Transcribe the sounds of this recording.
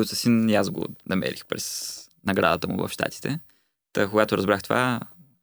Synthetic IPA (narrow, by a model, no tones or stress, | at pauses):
ʊt̪səsiniazɡo̰nɐmɛ̰ɾʔixpɾɛs | nɐɡɾad̪ət̪əmʊ̰və̰fʃt̪a̰t̪i̥t̪ʰɛ | t̪əkoɡat̪oɾɐzbɾaxt̪ova